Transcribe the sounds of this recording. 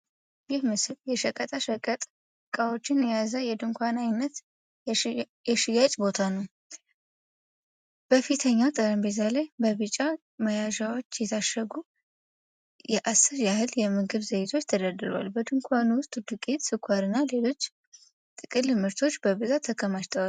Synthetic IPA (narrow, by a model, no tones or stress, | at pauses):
jɪhmɨsɨljɛʃəkʼət̪ʼaʃəkʼət̪ʼ | kʼawo̞t͡ʃːɪnjɛjazəjɛd̪ɨŋkʷʰanajnːət̪ | jɛʃɪjat͡ʃʼbo̞t̪ʰanəw | b̥əfit̪ʰəɲːawt̪ʼəɾəmbezalajbəβɨt͡ʃʼːa | məjaʒawo̞t͡ʃːjɛt̪ʰaʃəɡu | jɛʔasːɨɾjahɨljɛmɨɡɨβzejt̪ʰo̞t͡ʃːt̪ʰəd̪əd̪ɨɾəwa̰lbəd̪ɨŋkʷʰanuwʊst̪ʼd̪ɨkʼet̪sɨkʰʷːaɾɨnːale̞lo̞t͡ʃː | t̪ʼɨkʼɨlɨmɨɾt̪ʰo̞t͡ʃːbəβɨzat̪ʰːəkʰəmaʃt̪ʰəwal